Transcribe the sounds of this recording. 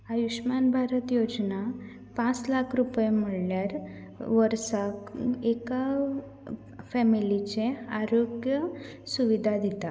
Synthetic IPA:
ajuʂmanbʱaɾət̪jod͡zna | pãt͡slakʰɾupjemiɽljaɾ | ʋəɾsakeka | fɛmilit͡ɕẽaɾoɡjə | suʋid̪ʱad̪it̪a

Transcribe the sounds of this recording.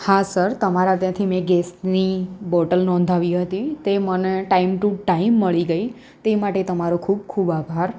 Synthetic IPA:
hasəɾt̪əmaɾat̪jãt̪ʰimẽɡesnibɔʈəlnɔ̃nd̪ʱaʋiɦət̪it̪eməneʈaimʈuʈaimːəɭiɡəi | t̪emaʈet̪əmaɾõkʰub̚kʰubabʱaɾ

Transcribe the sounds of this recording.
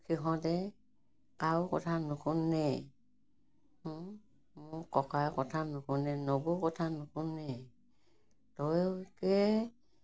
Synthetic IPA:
kʰiɦɔ̃tɛ | kawkɔ̰tʰanʊkunːɛ | mʊkɔkajkɔtʰanʊkunɛnobukɔtʰanukunːɛ | tɔjkɛ

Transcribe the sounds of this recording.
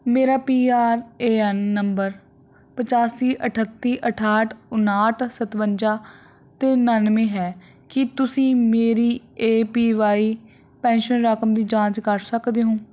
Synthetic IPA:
meːɾaːpiːaːɾeːɛnːəmbəɾ | pət͡ʃaːsiːʔəʈʰət̪ːiːʔəʈʰaːʈʰʊnaːʈsət̪ʋəɲd͡ʒaː | t̪eːnənmẽːɦɛː | kɪt̪ʊsĩːmeːɾiːeːpiːʋaːiː | pɛ̃ːnʃənɾəkəmd̪iːd͡ʒãːt͡ʃkəɾsəkd̪eːɦõː

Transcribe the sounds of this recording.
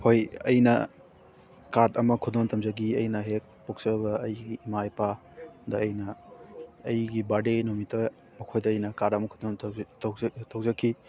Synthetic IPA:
hojɐ̰jnɐ | kaɾtɐmɐkʰudoŋtʰɐmzɐɡiɐjnɐɦek̚puk̚sɐbɐɐjɡiːmajpa | dɐːjnɐː | jɡibadenomitʰɐ | mɐkʰojdɐːjnɐkaɾtɐmɐkʰudoŋʰ | tʰɐwzɐkʰːi

